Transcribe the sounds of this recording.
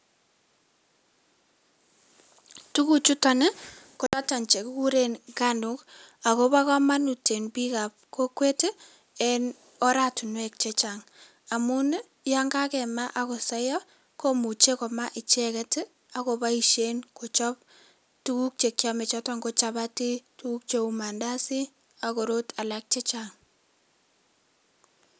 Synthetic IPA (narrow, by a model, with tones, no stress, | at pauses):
tu˦ku˦t͡ʃu˦ta˨nɛ˦ko˨ta˦ta˨nt͡ʃe˨kku˦ɾe˨nka˦nʊka˨ko˦βa˦kɔ˦ma˦nu˨te˨nbi˦ka˨p̚ko˦kwe˦te˦ | ɛn | ɔ˦ɾa˨tu˨nwɛ˦k̚t͡ʃe˦t͡ʃa˨ŋ | a˨mʊ˦n˦ | ja˦ŋɡa˦kɛ˨ma˦ʔa˦ko˨sa˦jɔ˦ | ko˦mu˨t͡ʃe˦kɔ˨ma˦ʔɪ˨t͡ʃɛ˦kɛ˦t | a˨ko˨ba˦i˦ʃe˦nko˨t͡ʃɔ˦p | tu˦ku˦k̚t͡ʃe˨kja˦me˨t͡ʃɔ˦tɔ˦ŋɡo˦t͡ʃa˦ba˦ti˦tu˦ku˦k̚t͡ʃe˨u˨ma˨nda˦si˦ | a˨ko˨ɾo˦tʰa˨lak̚t͡ʃe˦t͡ʃaŋ